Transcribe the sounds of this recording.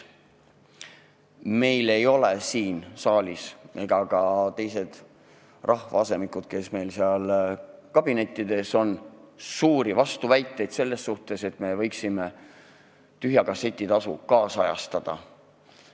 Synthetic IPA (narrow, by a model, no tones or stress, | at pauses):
me̞jle̞jo̞lesiːnsɑːlʲise̞ɡ̥ɑkɑt̪e̞jse̞d̪̥ | rʔɑhvɑ̰ɑse̞mikud̪̥̚ke̞sme̞jlseɑlkɑb̥ine̞t̪ːˑid̪e̞so̞nsuːɾivɑst̪uvæjt̪ːˑe̞jd̪̥se̞lːe̞sːuht̪e̞se̞t̪me̞vɤjksime̞ | t̪yɦjɑkɑse̞t̪ʲːˑit̪ɑsṵkɑːsɑjɑ̰st̪ɑd̪̥ɑ̰